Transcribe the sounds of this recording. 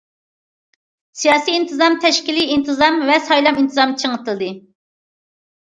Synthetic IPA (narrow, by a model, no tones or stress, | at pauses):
sijɑːsiint̪ʰɨzɑmt̪ʰɛʃkʲiliint̪ʰɨzɑmvɛsɑjlˠɑmint̪ʰɨzɑmt͡ʃʰəŋət̪ɨlˠd̪ɨ